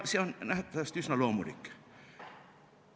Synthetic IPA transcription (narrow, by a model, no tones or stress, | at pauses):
sionnæht̪ːæðæst̪ysnɑloːmulḭkː